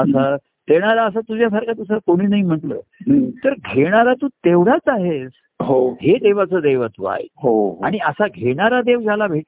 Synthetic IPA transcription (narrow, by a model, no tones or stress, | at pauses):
əsa | t̪eɽ̃aɾaəs̬at̪ud͡ʑjasaɾkʰat̪usakoɽ̃iːnaɦim̤əʈlə̰ːt̪əɾɡʱeɽ̃aɾat̪uːt̪eʋɽ̤at͡saɦed͡z | ɦohed̪eʋat͡səːd̪eʋat̪ṵa̰ɦjḛɦoa̰ɽ̃iəsaɡʱeɽ̃aɾad̪eʋd͡ʑalabʱeʈ